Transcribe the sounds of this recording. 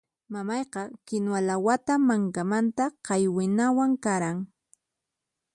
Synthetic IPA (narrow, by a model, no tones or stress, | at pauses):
mamɑjqɑkɪnwalawat̪amaŋkamant̪aqɑjwɪnawaŋkaɾaŋ